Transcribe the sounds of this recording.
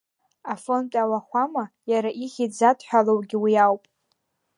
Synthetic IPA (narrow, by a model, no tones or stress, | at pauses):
afo̞ntʼawaχʷama | jaɾaʔiχʲid͡zatʰʼħʷᶣalowɡʲiwiawpʼ